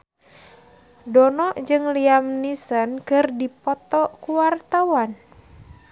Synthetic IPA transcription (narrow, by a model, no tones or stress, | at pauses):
dɔnɔʔd͡ʒɨŋliamnisənkɨrdipɔt̪ɔkuwart̪awan